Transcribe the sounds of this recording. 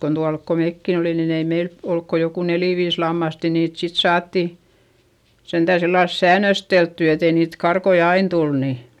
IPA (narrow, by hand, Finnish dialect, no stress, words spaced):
kon tuɑlk ko meˑkːi olin nin ei meil olk ko joku neliˑ ʋiːs lɑmːɑst jɑ niːt sit sɑːtːi sentæˑ silːɑls sæːnːøsteltːy etei niːt kɑrkoi ɑin tul ni